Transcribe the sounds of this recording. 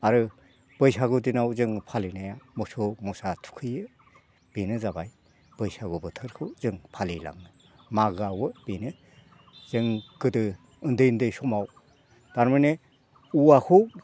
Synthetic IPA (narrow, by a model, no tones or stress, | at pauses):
aɾɯ | b̥ɯjsaɡɯdinawzɯŋpʰalinajamɔsomɔsatʰu̥kʰɯjɯ | b̥inɯzabaj | b̥ɯjsaɡɯbɯtʰɯɾkʰɯwzɯŋpʰalila̰ŋɯ | maɡawɯb̥inɯ | z̥ɯŋɡɯdɯ | ɯndɯjndɯjsɔmaw | d̥aɾmɯnɯ | uakʰu